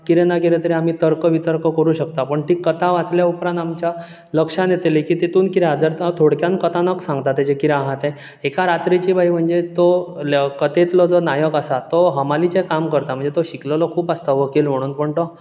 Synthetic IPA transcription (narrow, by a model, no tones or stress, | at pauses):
kiɾenakiɾet̪əɾiam̤iːt̪əɾkəʋit̪əɾkəkəɾuɕəkt̪apəɳʈiːkːət̪aʋat͡sljaupɾãnt̪amt͡ɕja | ləkʂãnjet̪elikiːt̪it̪ʰuːnkiɾeɦad͡zəɾt̪t̪ʰoɽkjankət̪anəksãŋɡt̪at̪ːed͡ʑekiɾeaɦat̪e | ekaɾat̪ɾit͡ɕiːbʱajm̤əɳd͡zet̪olkət̪et̪lɔd͡zɔnajəkəsat̪oɦəmalit͡ɕekamkəɾt̪am̤əɳd͡zet̪oɕikləlɔkʰuːpast̪aʋəkilm̤əɽ̃uːnpəɳʈ̪ɔ